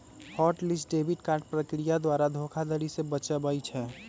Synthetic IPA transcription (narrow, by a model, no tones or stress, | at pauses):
hɔʈlisɖebiʈkaːɾʈ̚pɾəkɾijad̪waːɾad̪ʱokʰad̪əɾisebət͡ʃəbəjt͡ʃʰɛː